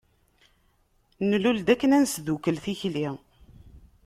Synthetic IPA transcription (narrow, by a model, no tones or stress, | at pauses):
nluld̪ækːənænsðukəlθiçli